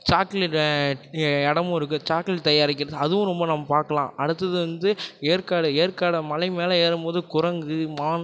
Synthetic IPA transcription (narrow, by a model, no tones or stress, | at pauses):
t͡ʃaːkl | ɛɽɐmʊ̃ɪɾɯk̬ːɯt͡ʃaːklɪt̪ɐjaːɾɪk̬ːɪɾɐðɯɐðɯʋʊ̃ɾɔmbɐnɐmːɐpaːɾkɐlã̰ːʔɐɽɯt̪ːɐðɯʋɐnd̪ɯeːɾkaːɽɯeːɾkaːɽɐmɐlɐɪmeːlɐeːɾɯmpoːðɯkʊɾɐŋɡɯmaːn